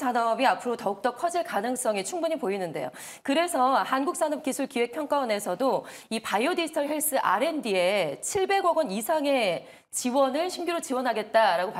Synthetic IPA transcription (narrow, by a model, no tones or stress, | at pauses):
sʰanʌbiapʰɯɾotʌuk̚t͈ʌkʰʌd͡ʑiɭkanɯŋs͈ʌŋit͡ɕʰuŋbuɲipoinɯnde̞̰jo̰ | kɯɾe̞sʰʌhanɡuk̚s͈anʌp̚k͈isʰuɭkiwe̞k̚pʰjʌŋk͈awʌne̞sʰʌdo | ipajodiɯ̥tʰʌɭɦe̞ɭs͈ɯʔa̰ɾe̞ndie̞t͡ɕʰiɭbe̞ɡʌɡʌnisʰaŋe̞ | t͡ɕiwʌnɯɭɕʰimɡiɾot͡ɕiwʌnɦaɡe̞t̚t͈aɾaɡopa